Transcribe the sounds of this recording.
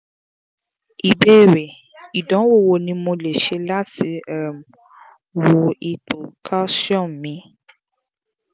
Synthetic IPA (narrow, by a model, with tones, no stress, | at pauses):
i˨bɛ˦˨ɾe˨ | i˨dɔ̃˨˦wo˦˨wo˧˨nĩ˧mõ˧le˨ʃe˧la˦ti˧˦ɛ˦˨m | wo˨i˧to˨kʰa˦sɔ̃˦˨nmĩ˧˦